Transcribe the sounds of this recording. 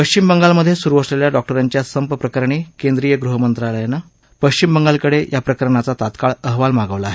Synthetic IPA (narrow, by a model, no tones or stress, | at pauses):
pəɕt͡ɕimbəŋɡalməd̪ʱːjesuɾuʋəsleljaɖɔk̚ʈəɾaɲt͡ɕjasəmpəpɾəkəɾɳiːkend̪ɾijəɡɾuɦəmənt̪ɾaləjanːa | pəɕt͡ɕimbəŋɡalkəɽejapɾəkəɾɳat͡sat̪at̪kaɭəɦʋalmaɡəʋlaːɦe